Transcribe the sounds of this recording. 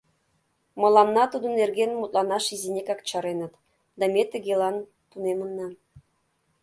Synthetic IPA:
mɤ̆lˠɑnːɑt̪ud̪ɤ̆nːerɡʲenmut̪lˠɑnɑʃizinʲekʲɑk̚t͡ɕɑɾenɤ̆t̪ | d̪ɑmʲet̪ə̆ɡʲelɑn | t̪unemə̆nːɑ

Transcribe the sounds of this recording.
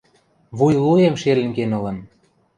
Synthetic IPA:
βujluemʃelə̆ŋɡenɤ̆lə̆n

